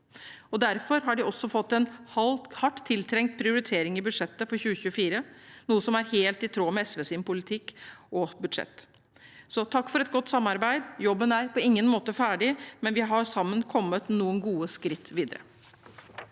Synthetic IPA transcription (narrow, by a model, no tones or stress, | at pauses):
ɔd̪æɾfɔɾɦɑɖɪɔsːɔfɔt̪ːɛnhɑhɑʈːt̪ʰːɪlt̪ʰɾɛŋt̪̚pʰɾɪʊɾɪt̪ʰeːɾɪŋɪbʉd̪ʂɛt̪ːəfɔɾçʉːəçʉəfiːɾənuːəsɔmæɾheːlt̪ɪt̪ʰɾoːmɛɛsʋeːsɪmpʰʊlɪt̪ʰɪkːɔbʉd̪ʂɛ̰t̪ː | sɔt̪ʰɑkːfɔɾɛt̪̚ɡɔt̪ːsɑmːɑɾbæɪd̪jɔbːənæɾpʰɔɪŋːənmoːt̪əfæːɖɪmɛnʋɪɦɑɾsɑmːənkʰɔmːət̪nuːənɡuːəskɾɪt̪ʰːʋiːd̪əɾə̰